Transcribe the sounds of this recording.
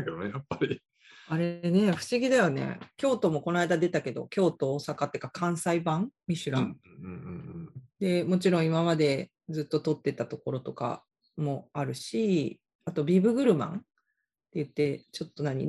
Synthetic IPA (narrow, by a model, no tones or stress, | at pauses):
ked̪onejapːaɾʲi | aɾe̞ne̞ɸɯ̟̥ɕiɡʲid̪ajone̞̰kʲo̞ːt̪o̞mo̞ko̞naid̪ad̪e̞t̪ake̞d̪o̞̰kʲo̞ːt̪o̞ːsakat̪ːekakãɰ̃saibãŋmʲiɕɨɾã̰ | d̪e̞mo̞t͡ɕiɾõ̞imamad̪e̞ | d͡zɨt̪ːo̞t̪o̞t̪ːe̞t̪at̪o̞ko̞ɾo̞t̪o̞ka̰ | mo̞aɾɯ̟ɕi | at̪o̞bʲibɯ̟ɡɯ̟ɾɯ̟mã̰ɴ | t̪ejɯ̟t̪ːe̞t͡ɕo̞t̪ːo̞naɲ̟ḭ